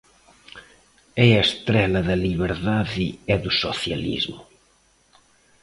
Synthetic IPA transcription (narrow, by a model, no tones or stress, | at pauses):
ɛɐest̪ɾɛlɐðɐliβeɾðaðieðusoθja̰lḭzmʊ